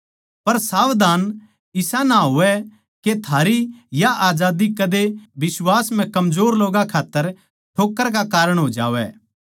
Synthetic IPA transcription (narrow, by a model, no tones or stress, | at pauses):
pɐɾsaːʋd̪aːn | ɪsanaɦʊʋɛ | ket̪ʰaːɾijaʔaːd͡ʒaːd̪ikɐd̪ebɪswaːsm̤ɛ̃kɐmzoːɾloːɡakʰaːt̪ːəɾ | ʈʰoːkːəɾk̬akaːɾəɽ̃ɦoːd͡ʒa̰ːʋɛ̰ː